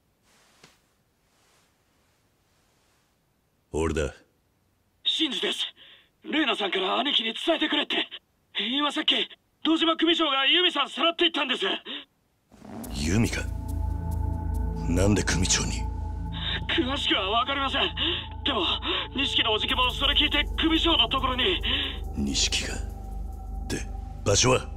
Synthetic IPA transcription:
oɾed̪a̰ | ɕĩnzɨd̪e̞sɨ̥ | ɾe̞ːnasãŋkaɾaːnʲikʲiɲ̟it͡sɨ̥t̪aet̪e̞kɯɾe̞t̪ːe̞ | iːmasakʲːi | d̪̥o̞ːʑimokɯ̟mʲit͡ɕo̞ːɡajɯ̟ːmʲisãɰ̃saɾat̪ːe̞it̪ːãnd̪e̞sɨ | jɯ̰ːmʲika | nãnd̪e̞kɯmʲit͡ɕo̰ːɲi | kʰɯ̟βaɕi̥kɯβaβakaɾʲimasẽ̞ɴ | d̪̥e̞mo̞ɲ̟iɕi̥kʲino̞ːʑik̬ʲimo̞so̞ɾe̞kʲiːt̪e̞kɯ̟mʲiɕo̞ːno̞t̪o̞ko̞ɾo̞ɲ̟i | ɲḭɕi̥kʲi̥ɡa | d̪̥e̞̰ | b̥aɕoβa

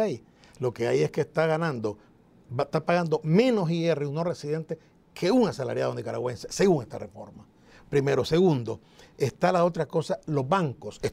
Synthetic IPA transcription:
aj | lo̞ke̞aje̞skeːst̪aɣanãnd̪o | at̪apaɣand̪o̞mẽ̞no̞siereunoresiðe̞nt̪e | kʰe̞uŋasala̰ɾjaðond̪ikaɾa̰ɣwe̞nseseɣuŋe̞st̪a̰refo̞ɾma | pɾime̞ɾo̞se̞ɣund̪o̞ | est̪alao̞t̪ɾako̞salo̞zbaŋko̞se

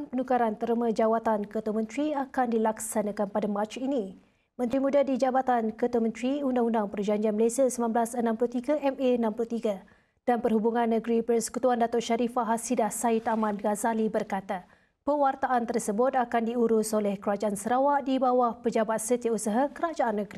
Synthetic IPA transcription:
npənukaɾant̪əɾəmə̃d͡ʒawat̪ankət̪wamə̃nt̪ɾiakandilaksanãkanpadamãt͡ʃini | mə̃nt̪ɾimũdadid͡ʒabat̪ankət̪uwamə̃nt̪ɾiundaŋundaŋpərd͡ʒaɲd͡ʒianməlesiasəmanblasənãmplut̪iɡaʔɛmeənãmplut̪iɡa | d̥anpərɦubuŋãnːəɡɾipərsə̥kut̪uandat̪ʊʔʃaɾifaɦasidahsait̪amãnɡazalibərkat̪a | pəwart̪aʔant̪ərsəbʊt̪akandiuɾusolɛhkəɾad͡ʒaʔansəɾawaʔdibawahpəd͡ʒabat̪̚sət̪iausaɦakəɾad͡ʒaʔanːəɡɾi

